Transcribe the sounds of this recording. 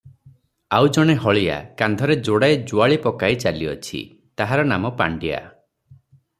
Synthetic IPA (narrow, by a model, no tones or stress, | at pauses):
awd͡ʒɔɽ̃eɦɔɭija̰kand̪ʱɔɾed͡ʒoɽaed͡ʒuaɭipɔkajt͡ʃaliɔt͡ʃʰḭ | t̪aɦaɾɔnamɔpa̰ɳɖia̰